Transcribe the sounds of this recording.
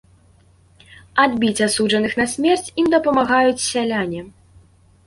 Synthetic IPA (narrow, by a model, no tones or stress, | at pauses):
ad̪bʲit͡sʲasud͡ʐʐɐnɨxnɐsʲmʲɛrt͡sʲimd̪ɐpɐmaɣajut͡sʲsʲalʲanʲɛ